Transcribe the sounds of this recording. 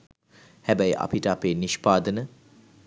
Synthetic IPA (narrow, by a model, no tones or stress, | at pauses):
hæbəjəʔa̰piʈəapeːniʃpaːd̪ənə